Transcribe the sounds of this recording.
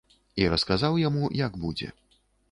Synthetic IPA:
iɾɐskazawjamujaɡbud͡zʲɛ̰

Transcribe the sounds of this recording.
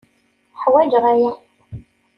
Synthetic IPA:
ħwæd͡ʒʁæji

